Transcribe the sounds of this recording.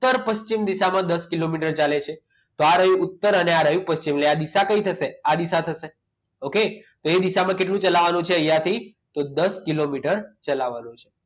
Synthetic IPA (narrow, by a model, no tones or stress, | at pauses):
t̪ːəɾpəst͡ʃimd̪iʃamãd̪əskilomiʈəɾt͡ʃalet͡ʃʰe | t̪oaɾəjũːt̪ːəɾəneaɾəjũpəst͡ʃimlead̪isakəit̪ʰəsead̪isat̪ʰəse | oket̪oed̪iʃamãkeʈlũt͡ʃəlaʋanũt͡ʃʰeəjãt̪ʰi | t̪od̪əskilomiʈəɾt͡ʃəlaʋanũt͡ʃʰe̥